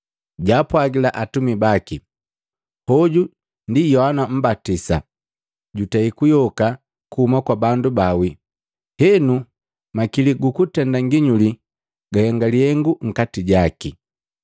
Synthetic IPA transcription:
ɟaːpwaɡilaʔatumibaki | hɔɟu | ndijɔhanam̩batisa̰ | ɟutaikujɔka | kuːmakwabandubawi | hɛnu | makiliɡukutɛndaŋɡiɲuli | ɡ̥ahɛŋɡalihɛŋɡuŋ̩katiɟaki

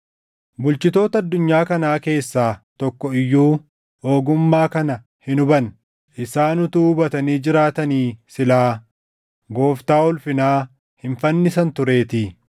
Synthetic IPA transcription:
bʊlt͡ʃɪt̪o̞ːt̪ɐɐd̪ːʊɲːaːkɐnaːke̞ːsːaːt̪ɔkːɔɪjːuː | oːɡʊmːaːkɐnɐ | hɪnʊbɐn | ʔɪsaːnʊt̪uːbɐt̪ɐniːd͡ʒɪɾaːt̪ɐniːsɪlaː | ɡo̞ːft̪aːɔlfɪnaː | hɪnfɐnːɪsɐnt̪ʊɾe̞ːt̪ɪ

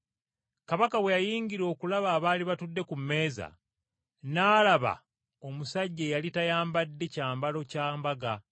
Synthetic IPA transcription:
kaβakawejajiːɲɡiɾo̞ːkulaβaːβaːliβatudːe̞kumːe̞ːza̰ | naːlaβa̰ | o̞musaɟːejalitajaːmbadːe̞caːmbalo̞caːmbaɡa

